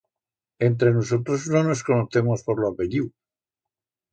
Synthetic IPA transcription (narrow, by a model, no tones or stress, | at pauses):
e̞nt̪ɾe̞nos̬o̞t̪ɾo̞zno̞no̞sko̞noθe̞mo̞spo̞ɾloapeʎiw